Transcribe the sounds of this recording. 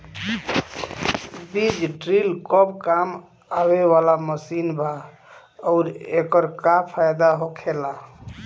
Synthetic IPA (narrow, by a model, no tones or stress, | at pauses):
bid͡ʒɖɾilkɔbkam | abewalaməsinbʱa | ɔʊɾekəɾkapʰajd̪aɦokʰela